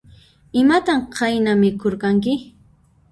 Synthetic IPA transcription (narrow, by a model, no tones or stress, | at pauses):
ɪmat̪amqʰajnamɪkoɾkaŋk̬ɪ